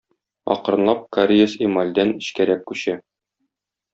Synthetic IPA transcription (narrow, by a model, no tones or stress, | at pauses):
ɒ̰qɾɤ̆nlˠɑp̚kaɾʲijəsimalʲd̪ænɘ̆ɕkæɾæk̚kʉɕæ